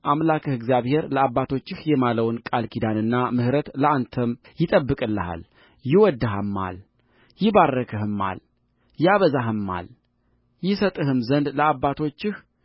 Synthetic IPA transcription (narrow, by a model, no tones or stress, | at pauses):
ʔamlakʰəhɨɡzijaβhe̞ɾləabːat̪ʰo̞t͡ʃːɪhjɛmaləwnkʼalkʰid̪anɨnːamɨhɾət̪ləʔant̪ʰəm | jɪt̪ʼəbːɨkʼɨlːəha̰l | jɪwɔd̪ːɨɦamːa̰l | jɪbarːəkʰəhɨmːa̰l | jaβəzaɦɨmːa̰l | jɪsət̪ʼɨhɨmzənd̪ləabːat̪ʰo̞t͡ʃːɪh